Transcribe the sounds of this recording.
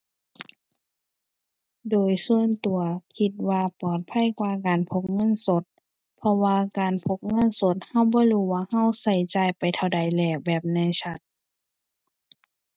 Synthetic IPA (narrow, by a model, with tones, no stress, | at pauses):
doː˨jsu˧ənt̪u˨˩ɐkʰi˧t̪̚waː˧pɔː˨˩t̪̚pʰa˧˥˨jkwaː˧kaː˨npʰo˧˥k̚ŋɤ˧˥˨nso˧˦t̪̚ | pʰɔ˧waː˧kaː˨npʰo˧˥k̚ŋɤ˧˥˨nso˧˦t̪̚ha˧˩˨wbɔː˧˦luː˧˩waː˧ha˧˥˨wsa˧˩jt͡ɕaː˨˧jpa˨jt̪ʰa˧˩wda˨˩jlɛː˧˩bɛː˨˩p̚na˧˥˨jsʰa˧t̪̚